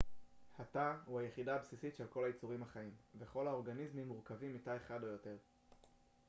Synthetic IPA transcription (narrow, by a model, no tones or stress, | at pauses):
hat̪ahuajeχidaːbsisitʃe̞lko̞lajit͡suʁimhaχaimveχo̞lao̞ʁɡanizmimːuʁkavimitajeχado̞jo̞te̞ʁ